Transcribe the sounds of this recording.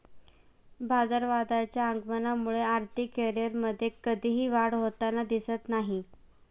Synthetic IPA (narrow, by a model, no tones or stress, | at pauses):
bʱad͡zaɾʋad̪at͡ɕjaəŋɡmənamuɭeaɾt̪ʰikːɛɾjəɾməd̪ʱːjekəd̪ʱiɦiːʋaɽɦot̪anad̪isət̪naɦi